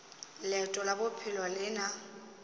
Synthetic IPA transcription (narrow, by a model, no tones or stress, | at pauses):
lɛtʼɔlabʊpʰɪlɔlɪna